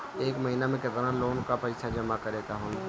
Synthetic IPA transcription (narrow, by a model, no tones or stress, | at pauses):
eːkməɦinamẽket̪ɾãnloːnkapəɾikʃʰad͡ʒəmakəɾeɡaɦoːn